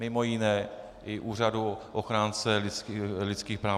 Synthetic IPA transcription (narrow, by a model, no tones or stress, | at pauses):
mɪmo̞jɪnɛː | ʔɪʔuːr̝aduʔoxɾaːnt͡sɛlɪt͡slɪt̪t͡skiːxpɾaː